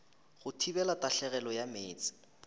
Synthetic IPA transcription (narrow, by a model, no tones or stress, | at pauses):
ɣʊtʰibɛlataɬɛɣɛlɔjameːt͡sʼɪ̥